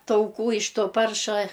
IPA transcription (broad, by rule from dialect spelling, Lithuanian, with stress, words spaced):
tɐʊˈkuː ɪʃ ˈtoː ˈpɐrʃɐ